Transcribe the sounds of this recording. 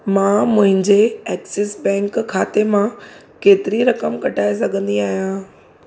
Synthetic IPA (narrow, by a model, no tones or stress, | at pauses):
mãːmʊ̃ɦɪ̃ɲd͡ʑeɛːksɪsbɛ̃ːŋkʰːaːt̪emã | keːt̪ɪɾiɾɐkəmkɐʈʰaːes̬ɐɡʱə̃nd̪iaːɦijãː